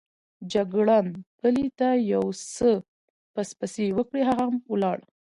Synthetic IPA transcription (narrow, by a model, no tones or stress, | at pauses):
d͡ʒaɡɽɑnpəlit̪ajawsə | paspasewəkɽeɦaɣamwəlɑɽ